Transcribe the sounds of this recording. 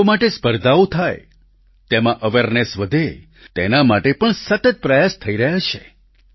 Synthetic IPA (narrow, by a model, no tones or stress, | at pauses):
omaʈespəɾd̪ʱaut̪ʰaj | t̪emãʔəʋeɾnesʋəd̪ʱe | t̪enamaʈepəɳsət̪ət̪̚pɾəjast̪ʰəiɾəɦat͡ʃʰe